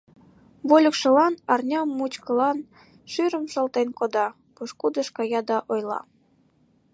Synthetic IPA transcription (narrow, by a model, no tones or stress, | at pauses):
βolʲəkʃə̆lɑnɑrnʲɑmːut͡ɕkəlɑn | ʃyɾə̆mʃə̆lt̪enkod̪ɑ | puʃkud̪əʃkɑjɑd̪ɑʔojlɑ̰